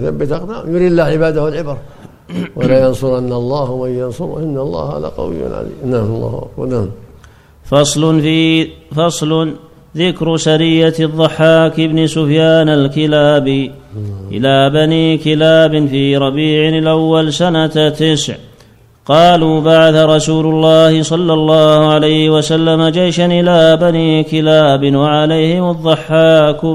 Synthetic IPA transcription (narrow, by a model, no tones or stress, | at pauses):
θabːɪt̪ɑqd̪amjʊɾiːd̪lːaʕɪbaːd̪ahwalʕɪbɑɾˤ | walaːjɑnsʊɾʔanːalˤːɑːhmajːɑnsʊɾʔɪnːalˤːɑ̰ːhha̰ða̰qɑ̰wɪ̰ja̰lʕa̰zḭːnalˤːɑ̰ːhʔa̰kba̰nam | fɑsˤl | fɑsˤl | ðɪkɾsaɾɪjːaðˤːɑħːaːkɪbnsʊfjaːnalkɪlaːbiʔɪ̰laːbaniːkɪlaːbɪnfiːɾˤɑbiːʕɪlʔawːalsanat̪ːɪsʕ | qɑːluːbaʕaθaɾˤɑsuːlʊlˤːɑːhɪsˤɑlːɑlˤːɑːhʊʕalajhɪwasalːamad͡ʒajʃanʔɪlaːbaniːkɪlaːbɪnwaʕalajhɪmʊðˤːʊħːaːk